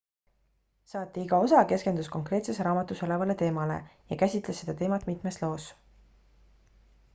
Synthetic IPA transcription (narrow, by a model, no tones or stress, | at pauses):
sɑːt̪ˑːiiɡ̥ɑo̞sɑke̞ske̞nd̪usko̞ŋkre̞ːt̪se̞sɾɑːmɑt̪ːˑuso̞levɑle̞t̪e̞ːmɑle̞̰jɑkæsʲit̪ˑlesːe̞d̪ɑt̪e̞ːmɑt̪mit̪ˑmeslo̞ːs